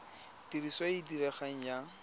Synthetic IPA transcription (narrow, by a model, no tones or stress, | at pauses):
tiriswaidiɾɛχaŋ̩ja